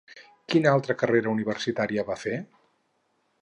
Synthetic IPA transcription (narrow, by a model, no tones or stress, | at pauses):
kinalˠt̪ɾəkəreɾəuniβərsit̪aɾiəβafe